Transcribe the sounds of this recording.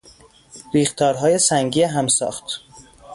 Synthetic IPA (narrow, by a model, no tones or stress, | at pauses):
ɾiːxt̪ʰɒːɾɦɒːje̞sæŋɟiːeɦæmsɒ̰ːxt̪ʰ